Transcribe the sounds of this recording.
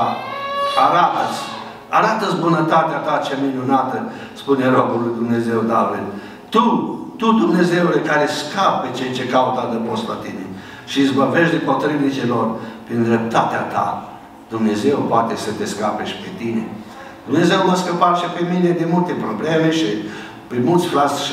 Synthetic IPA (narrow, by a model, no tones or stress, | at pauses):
aɾat̪ət̪sʲ | a̰ɾat̪əsʲbunət̪at̪eat̪at͡ʃeaminunat̪ə | spune̞ɾobulujd̪umne̞ze̞wd̪avil | t̪ut̪ud̪umne̞ze̞ule̞kaɾeskap̚ːe̞t͡ʃejt͡ʃe̞kaut̪ad̪əpost̪la̰t̪inḛ | ʃiːzbəɾveʃd̪inpo̞t̪ɾivit͡ʃilo̞rpɾind̪ɾep̚t̪at̪eat̪a̰ | d̪̥umne̞ze̞wpoat̪e̞sət̪e̞skapeʃʲpet̪inḛ | d̪̥umne̞ze̞wməskəpaɾʃipemine̞d̪inmult̪e̞pɾoblemeʃi | pemult̪sʲfɾasʃ